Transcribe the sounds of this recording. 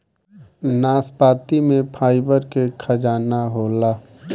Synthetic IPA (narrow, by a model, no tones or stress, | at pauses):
naːspaːt̪imẽpʰaːɪbəɾkekʰɐd͡ʒaːnaɦoːlaː